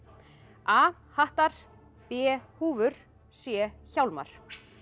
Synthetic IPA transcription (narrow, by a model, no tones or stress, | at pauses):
aː | haht̪aɾ̥ | pɛːhuːvʏɾ̥ | sjɛːçawlma̰ɾ̥